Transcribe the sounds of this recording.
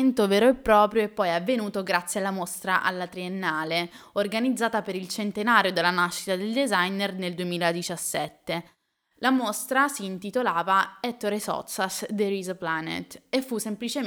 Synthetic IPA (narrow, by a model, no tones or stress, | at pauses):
nt̪oveːɾoepːɾɔːpɾjoɛpːɔjavːenuːt̪oɡɾat̪sːjealːamost̪ɾa̰ʔa̰lːat̪ɾienːaːleorɡanid̪zːaːt̪apeɾilt͡ʃent̪enaːɾjod̪elːanaʃːi̥t̪ad̪eld̪ezajnerneld̪uemiːlad̪it͡ʃasːɛt̪ːe | lamost̪ɾasiːnt̪it̪olaːvaɛt̪ːoɾesɔ̰sasd̪eɾizaplanḛt̪efːusːemplit͡ʃe